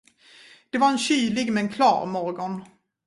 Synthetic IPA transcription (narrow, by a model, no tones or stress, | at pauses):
d̪̥ɛvaɾɛnɕyːlɪɡmɛnkʰlɑ̰ːɾmɔɾɡɔn